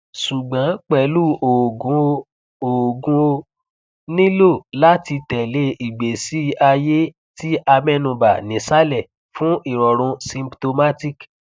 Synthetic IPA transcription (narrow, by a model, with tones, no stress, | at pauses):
ʃu˨ɡ͡bã˨˦k͡pɛ˨˦lu˦o˨ɡũ˨˧˦ | o˨ɡũ˧o˧ | nĩ˦lo˦˨la˦ti˧tɛ˨le˦ʔi˨ɡ͡be˨si˨˦a˧je˦ | ti˦ʔa˧mɛ̃˦˧nũ˨ba˨nĩ˨˦sa˦lɛ˦˨ | fũ˦i˨ɾɔ˨ɾ̃ũ˧sĩ˧pto˧ma˦ti˦˨k